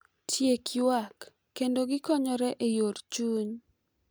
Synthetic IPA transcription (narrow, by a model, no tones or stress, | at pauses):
tʰjekɪwakː | endoɡɪkɔɲɔɾɛʔejoɾt͡ʃuɲ